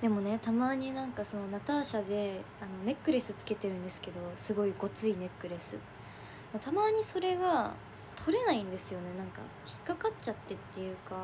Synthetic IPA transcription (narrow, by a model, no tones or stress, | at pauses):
d̪̥e̞mo̞ne̞t̪amaːɲ̟inãŋkaso̞no̞nat̪aːɕad̪e̞ | ano̞ne̞kːɯ̟ɾe̞sɨt͡sɨ̥ke̞t̪e̞ɾɯ̟̃nd̪esɨ̥ke̞d̪o̞sɨɡo̞iɡo̞t͡sɨine̞kːɯ̟ɾe̞sɨ̰ | mot̪ʰamaːɲ̟iso̞ɾe̞ɡa | t̪ʰo̞ɾe̞naĩnd̪e̞sɨjo̞ne̞nãŋka̰ | çi̥kːakat͡ɕat̪ːe̞t̪ːe̞jɯ̟ːka